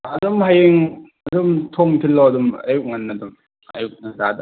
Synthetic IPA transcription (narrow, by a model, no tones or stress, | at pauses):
ɐdumhajeŋ | ɐdumtʰomkʰilːoɐduma̰juk̚ŋanːadum | ɐ̰juk̚nazadɐ